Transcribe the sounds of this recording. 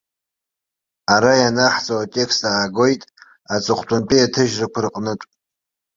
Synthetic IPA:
aɾajanaħt͡sʼowatʼe̞kʰstaːɡo̞jtʼ | at͡sʼɨχʰʷtʷʰʼʊnpʰʼiatʰɨʒrɨkʷʰʊrqʼnɨtʷʼ

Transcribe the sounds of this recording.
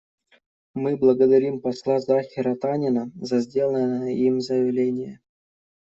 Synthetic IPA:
mɨblˠəɡəd̪ɐɾʲimpɐslˠazaxʲɪɾɐt̪anʲɪnəzɐzʲdʲelˠənnəjəimzəjɪvlʲenʲɪjə

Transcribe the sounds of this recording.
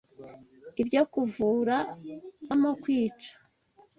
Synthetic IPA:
ibɟo̞kuvuːɾaamokwiːt͡ʃḁ

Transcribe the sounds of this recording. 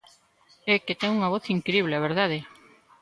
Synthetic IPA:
ɛket̪ɛŋuŋɐβoθiŋkɾiβ̞leɐβ̞eɾðaðe

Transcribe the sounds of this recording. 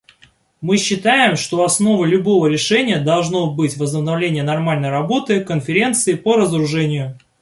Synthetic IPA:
mɨɕːɪt̪ajɪmʂt̪o̞ɐsno̞vəlʲʊbo̞vəɾʲɪʂɛnʲɪjəd̪ɐlˠʐno̞bɨtʲvəznəbnɐvlʲenʲɪjənɐrmalʲnəjɾɐbo̞t̪ɨkənfʲɪɾʲe̞nt̪sɨɪpəɾəzəɾʊʐɛnʲɪjʊ

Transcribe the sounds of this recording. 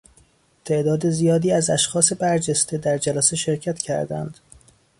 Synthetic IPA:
t̪ʰe̞ʔd̪ɒːd̪ezijɒːd̪iːæzæʃxɒːse̞bæɾd͡ʒest̪ed̪æɾd͡ʒælæse̞ʃe̞ɾcʰæt̪cʰæ̰ɾd̪æ̰nd̪̥

